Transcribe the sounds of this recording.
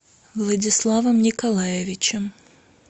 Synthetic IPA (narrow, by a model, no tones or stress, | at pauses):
vlˠɐdʲɪslˠavəmnʲɪkɐlˠajɪvʲɪt͡ɕɪm